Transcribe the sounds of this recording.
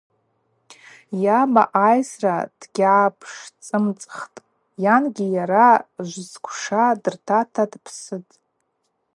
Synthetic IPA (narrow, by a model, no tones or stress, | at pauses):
jama̰ʔajsrad̥ɡʲʕapʰʂt͡sʼɨmt͡sʼχtʼ | janɡʲijaɾaʒʷzkʷʰʂadɨrtʰatʰadpʰsɨtʼ